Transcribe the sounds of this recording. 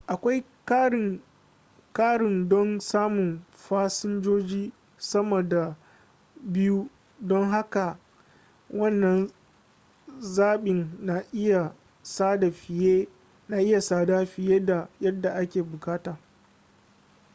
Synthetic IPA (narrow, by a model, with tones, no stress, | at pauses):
ʔa˨kʷa˦j | ɪ˨ | kaː˦ɽɪ˨ndɔ˦nsaː˦mʊ˨n | ɸaː˦sɪ˦nd͡ʒoː˦d͡ʒiː˦ | sɐ˦mo˨da˨ | bɪ˦ju˦ | dɔ˦ŋɦa˦ka˨ | wɐ˦˨nːɐ˨n | zaː˦ɓɪ˨nːa˨ʔɪ˦ja˨ | saː˦da˨ɸɪ˨jeː˦ | na˨ʔɪ˦ja˨saː˨da˦ɸɪ˨jeː˦da˨jɐ˦dːa˨ʔa˦kʲeː˨bʊ˨kaː˦taː˨